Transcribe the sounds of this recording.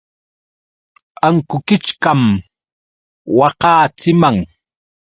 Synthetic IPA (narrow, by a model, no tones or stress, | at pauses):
aŋkʊkɪt͡ʃkam | wɑqɑːt͡sɪmaŋ